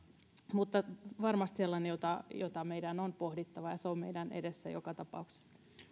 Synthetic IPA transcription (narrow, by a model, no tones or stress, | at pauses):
mut̪ːɑʋɑrmɑst̪selːɑnejot̪ɑjot̪ɑmeidænonpohdit̪ːɑʋɑjɑseommḛidænḛdesːæ̰jo̰kɑt̪ɑpɑ̰ukse̥sːɑ̥